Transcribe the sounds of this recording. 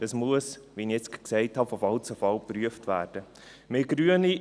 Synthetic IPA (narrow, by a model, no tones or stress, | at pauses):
d̥ɑsmuəsʋiniɛt͡sksɛɪthɑfofɑlt͡səfɑlpɾyəftvæːɾd̥ə | mɪɡ̥ɾyəni